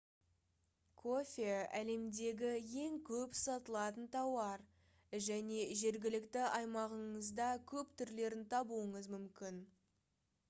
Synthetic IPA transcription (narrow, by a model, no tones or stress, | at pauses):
kʰo̞fʲeæle̞md̪e̞ɡʲɪje̞ŋkʲʰɵpsɑt̪əlˠɑt̪ənt̪ʰɑwɑɾ | ʒæne̞ʒe̞ɾɡʲɪlɪkt̪ɪɑjmɑʁəɴəzd̪ɑkʲʰɵpt̪ʰʏɾle̞ɾɪnt̪ʰɑbuəɴəzmʏmkʲɪn